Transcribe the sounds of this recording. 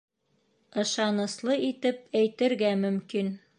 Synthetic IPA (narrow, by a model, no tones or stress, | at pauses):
ɤ̆ʃɑnɤ̆slˠɤit̪ɘp̚æjt̪ɘ̆ɾɡæmɵ̆mkin